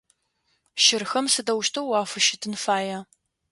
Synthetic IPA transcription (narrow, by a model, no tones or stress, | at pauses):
ʃɪrxɐmsɨdɐwʃtʰɐwːaːfɨʃɪtʰɨnfaːja